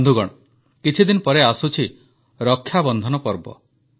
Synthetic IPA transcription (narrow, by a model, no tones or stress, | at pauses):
nd̪ʱuɡɔɽ̃ɔ | kit͡ʃʰid̪inɔpɔɾeasut͡ʃʰi | ɾɔkʰːjabɔnd̪ʱɔnɔpɔɾbɔ̰